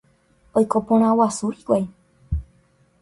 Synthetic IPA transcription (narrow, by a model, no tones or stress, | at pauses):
ojkopõɾ̃ãwasuikwaj